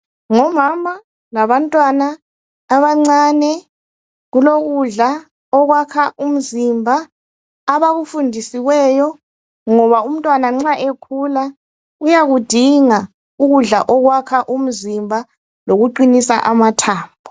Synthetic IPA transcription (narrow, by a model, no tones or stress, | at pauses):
ŋɔmamʱa | ŋaβantʼwanaː | βaŋ͡ǀaːnɛ | ɣuloɣuɮa | ɔɣwakʰaʔum̩zimbʱaː | βaɣufundʱisiwɛjɔ | ŋɔβaum̩tʼwanaŋ͡ǁaʔekʰula | ɣujaɣud̥ʱiŋa | uɣuɮaʔɔɣwakʰaʔum̩zimbʱa | loɣuǃinisa̰ʔamatʰaːmbʱɔ